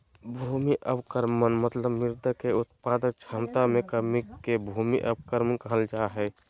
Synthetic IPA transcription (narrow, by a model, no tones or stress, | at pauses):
bʱumiʔəbkəɾmənmət̪ləbmiɾd̪əkeʊt̪pad̪ək̚t͡ʃʰamt̪amẽkəɾmikebʱumiʔə̰b̚kəɾmənkəɦəld͡ʒaɦɛ